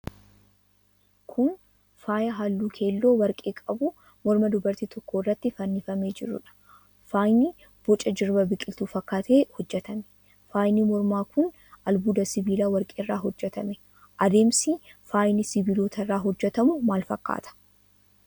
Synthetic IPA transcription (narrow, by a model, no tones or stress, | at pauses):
kʰʊn | faːjɐɦaːlːuːkʰe̞ːlːo̞ːwɐɾkʼeːkʼɐbʊ | mɔɾmɐd̪ʊbɐɾt̪iːt̪ʰɔkːoːɪrːɐt̪ːɪfɐnːɪfɐmeːd͡ʒɪ̰ɾʊ̰ᶑɐ̥ | faːjni | b̥ɔt͡ʃʼɐd͡ʒɪɾbɐbɪkʼɪlt̪uːfɐkːaːt̪eːhɔd͡ʒːɛt̪ɐmɛ̥ | faːjnimɔɾmaːkʰʊn | ʔɐlbuːd̪ɐsɪbiːlaːwɐɾkʼeːrːaːɦɔd͡ʒːɛt̪ɐmɛ | ʔɐd̪e̞ːmsifaːjnɪsɪbiːloːt̪ʰɐrːaːɦɔd͡ʒːɛt̪ɐmʊmaːlfɐkːa̰ːt̪ɐ̥